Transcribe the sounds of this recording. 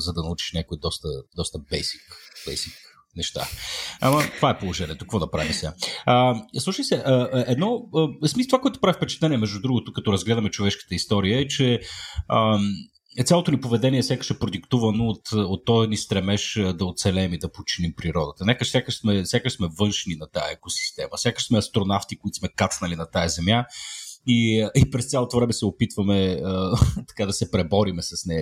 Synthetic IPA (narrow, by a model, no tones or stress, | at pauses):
zɐd̪ɐnɐut͡ʃi̥ʃnʲakoid̪ɔst̪ə̰d̪ɔst̪əbɛjsi̥kb̥ɛ̰jsik | nɛʃt̪a̰ɐ̰mɐt̪ovaɛpolˠoʒɛnʲiɛt̪okvɔd̪ɐpɾa̰visʲaəslˠuʃəjsɛʔəɛd̪nɔəsmist̪vakoɔɛt̪ʊ̥pɾavifpɛt͡ʃɛ̥t̪lɛniɛmɛʒd̪ud̪ɾuɡot̪ʊkɐt̪ɔɾɐzɡlɛd̪ɐmɛt͡ʃovɛʃkə̥t̪əist̪ɔɾiəɛt͡ʃɛəm | t̪sʲjalˠot̪onʲipovɛd̪ɛniɛsʲakə̥ʃɛpɾod̪ikt̪uvɐnoːt̪ot̪ːɔjnist̪ɾɛmɛʃd̪ɐot̪sɛlɛmid̪ɐpot͡ʃinimpɾiɾɔd̪ət̪ɐnɛkəsjakəʃsmɛsjakəʃsmɛvɤnʃninɐt̪a̰jɐ̰ɛkosi̥st̪ɛmɐ̰sʲjakəʃsmɛɐst̪ɾonaft̪ikʊit̪o̥smɛkat̪snɐlinɐt̪ajɐzɛmja | iipɾɛst̪sʲalˠot̪ovɾɛmɛsɛopit̪vɐmɛət̪ɐ̥kad̪ɐsɛpɾɛbɔɾimɛsɐsnɛ